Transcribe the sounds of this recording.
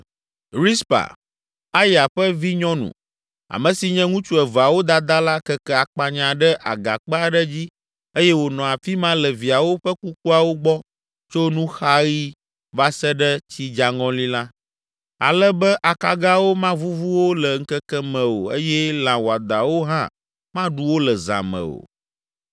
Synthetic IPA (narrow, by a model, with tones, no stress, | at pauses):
ɾi˦spa̰˨ | a˦ja˨ɸə˦vi˦ɲɔ̃˦nṵ̃˨ | a̰˨mɛ̃˨si˨ɲɛ̃˦ŋũ˦t͡ʃu˦ɛ˨va˨wo˦d̪a˨d̪a˦la˦kɛ˦kɛ˦a˨k͡pa˨ɲã˨ɖɛ˦ʔa̰˨ɡa̰˨k͡pɛ˦a˦ɖɛ˦d͡ʑi˦ | e˦jɛ˦wo˨nɔ̃˨a˨fi˦mã˦lɛ˨vi˨a˨wo˦ɸɛ˦ku˦k̚u˦a˨wo˦ɡ͡bɔ˦ | t͡ʃo˦nũ˦xa˦ɣi˦ | va˦sɛ˦ɖɛ˦t͡ɕi˦d͡ʒa˨ŋɔ̃˦li˦la˦ | a̰˨lɛ˦bɛ˦ʔa˨ka˦ɡa˦wo˦mã˦vu˦vu˦wo˦lɛ˨ŋ̩˦kɛ˦kɛ˦mɛ̃˨o̰˨e˦jɛ˦lã˨wo˨a˨d̪a˨wo˦ɦã̰˦ | mã˦ɖu˦wo˦lɛ˨za̰˨mɛ̰̃˨o̰˨